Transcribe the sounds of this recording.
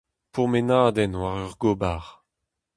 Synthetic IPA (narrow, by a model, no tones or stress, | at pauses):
pumenaːd̪ɛnwaʁœʁɡobaʁ